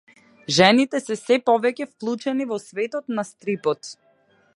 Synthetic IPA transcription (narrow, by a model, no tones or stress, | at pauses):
ʒɛnit̪ɛsɛsɛpɔvɛcɛfklˠut͡ʃɛnivɔsvɛt̪ɔt̪nast̪ɾipɔt̪